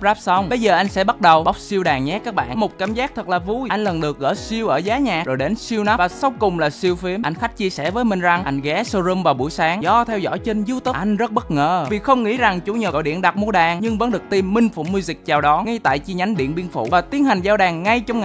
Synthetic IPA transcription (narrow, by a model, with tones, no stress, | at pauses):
p̚zaː˦˥p̚sə˧wŋ͡mɓə˧jzəː˨˩ʔa˧jŋ̟sɛ̰˧˥ɓa˦˥t̚ɗə˨˩wɓa˦˥k͡p̚si˧əwɗaː˨˩ŋɲɛ˦˥kaː˦˥k̚ɓa̰ː˧˨nmo˨˩t̚kaː˧˩mzaː˦˥k̚t̪ʰə˨˩k̚laː˨˩vu˧jʔa˧jŋ̟lə˨˩nɗɨ˨˩ək̚ɣə̰ː˧˩si˧əwʔəː˧˩zaː˨˦ɲaː˨˩zo˨˩jɗe˨˦nsi˧əwna˦˥vaː˨˩sa˧wkʊ˨˩ŋ͡mlaː˨˩si˧əwfi˨˦əmʔa˧jŋ̟xa˦˥jk̚t͡ɕi˧əsɛ̰˧˩vəː˨˦jmï˨˩ŋ̟za˨˩ŋʔa˧jŋ̟ɣɛ˨˦so˧zə˧mvaː˨˩wɓṵ˧˩˨jsaː˨˦ŋzɔ˧˦t̪ʰɛ˧wzɔ̰˧˥˨jt͡ɕe˧nzɨ˧˦wt̪ɨ˦˥˩ʔa˧jŋ̟zə˦˥t̚ɓə˦˥t̚ŋə̰ː˧˨vi˨˩xə˧wŋ͡mŋḭ˧˥za˨˩ŋt͡ɕu˧˩˦ɲə̰˧˩˧jɗḭ˧˨nɗa˨˩t̚mu˧əɗaː˨˩ŋɲɨ˧ŋvə̰˧˥nɗɨ˨˩ət̪i˧mːï˧ŋ̟fṵ˧˩mu˧zi˨˩k̟̚t͡ɕaː˨˩wɗɔ˨˦ŋa˧jt̪a̰ː˧˨jt͡ɕi˧ɲa˨˦ŋɗḭ˧˨ənɓi˧ənfṵ˧˩˨vaː˨˩t̪i˨˦ənha˨˩jŋ̟zaː˧wɗaː˨˩ŋːa˧jt͡ɕɔ˧ŋ͡mŋa